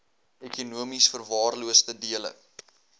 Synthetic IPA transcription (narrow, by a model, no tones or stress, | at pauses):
ekunuəmisfərvɑːrluəstədiələ̰